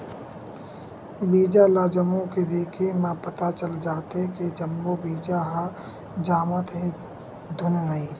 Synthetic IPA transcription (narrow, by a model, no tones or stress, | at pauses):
biːd͡ʒalaːd͡ʒəmõked̪eːkʰemãpət̪at͡ʃəld͡ʒaːt̪ɦeked͡ʒəmbobiːd͡ʒaɦa | d͡ʒaːmət̪ɦẽ | d̪ʱʊnnəi